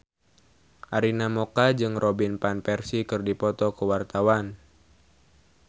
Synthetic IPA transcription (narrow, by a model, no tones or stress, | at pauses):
ʔaɾinamokad͡ʒɨŋrɔbinpanpɛrsikɨrdipɔt̪ɔkəwart̪awan